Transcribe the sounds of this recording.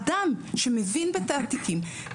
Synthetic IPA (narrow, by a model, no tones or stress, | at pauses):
d̪amʃemevinbet̪aːt̪ikim